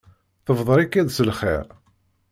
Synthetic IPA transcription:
θəvðˤəɾikːæðsəlχɛ̰ɾ

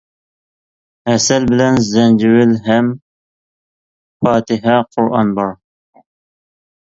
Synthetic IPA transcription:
æsɛlbɪlɛnzɛnd͡ʒɪwɪlɦæm | fɑːt̪ɪɦɑqʰʊɾʔɑ̰nbɑɾ

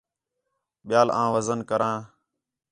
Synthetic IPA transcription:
ɓɪjaːlãːʋəzənkəɾãː

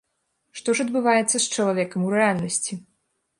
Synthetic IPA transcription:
ʂt̪ɔʂɐd̪bɨvajɛt̪sːɐst͡ʂɐlˠavʲɛkɐmuɾɛalʲnɐsʲt͡sʲi

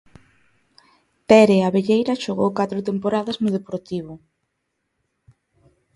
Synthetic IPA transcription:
t̪ɛɾeaβeʎejɾɐʃoɣ̞owkat̪ɾʊt̪empoɾaðɐznʊðepoɾt̪iβ̞ʊ

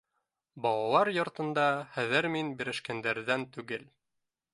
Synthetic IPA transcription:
bɑlˠɑlˠɑɾjŏɾt̪ɤ̆nd̪ɑχæðɘɾminbiɾɘ̆ʃkænd̪æɾðænt̪ʉɡɘl

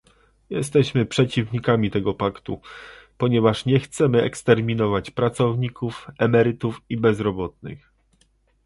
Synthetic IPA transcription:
jɛst̪ɛɕmɘpʂɛt͡ɕivɲikamʲit̪ɛɡɔpakt̪ṵpɔɲɛvaʂɲɛxt̪sɛmɘɛkst̪ɛɾmʲinɔvat͡ɕpɾat̪sɔvɲikufɛmɛɾɘt̪ufibɛzɾɔbɔt̪̚nɘ̰x

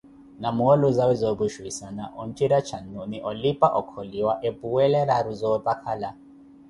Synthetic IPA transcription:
namuɔluzawizɔβuʃwisanaʔɔntʼiɾat͡ʃʰanuniʔɔlipʼaʔɔkʰɔliwaʔepuwɛlɛɾaɾuzɔtʼakʰala

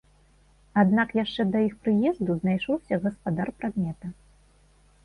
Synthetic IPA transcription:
ad̪nakjaʂt͡ʂɛd̪ɐixpɾɨjɛzd̪uznajʂɔwsʲɐɣɐspad̪arpɾad̪mʲɛt̪ɐ

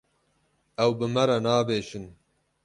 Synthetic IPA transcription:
ɛwbɨmɐɾɐnɑːbeːʃɨn

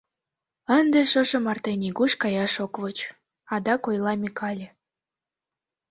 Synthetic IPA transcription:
ənd̪eʃə̆ʒə̆mɑrt̪eniɣuʃkɑjɑʃokβot͡ɕ | ɑd̪ɑkojlˠɑmʲikʰɑlʲe

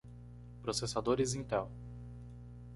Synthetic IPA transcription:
pɾosesad̪oɾɪzĩt̪ɛw

